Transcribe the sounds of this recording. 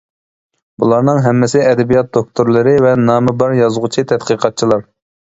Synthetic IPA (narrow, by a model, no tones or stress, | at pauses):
bulˠɑɾnɨŋɦɛmːɪsɪɛd̪ɛbijɑt̪̚d̪ok̚t̪ʰoɾlˠɨɾɪvɛnɑːmɨbɑɾjɑzʁʊt͡ʃʰit̪ʰɛt̪qɨqʰɑt̪̚t͡ʃʰilˠɑɾ